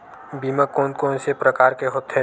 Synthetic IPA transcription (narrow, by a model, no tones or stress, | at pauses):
biːməkoːnkoːnsepɾəkaːɾkeɦoːt̪ɦɛ